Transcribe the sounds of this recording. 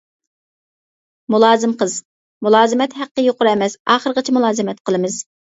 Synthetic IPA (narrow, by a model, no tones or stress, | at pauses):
mulˠɑːzɨmqəz̥ | mulˠɑːzɨmɛt̪hæqːəjoqʊɾɛmɛsɑːχəɾəʁət͡ʃʰɛmulˠɑːzɨmɛt̪qʰəlˠɨmɨz̥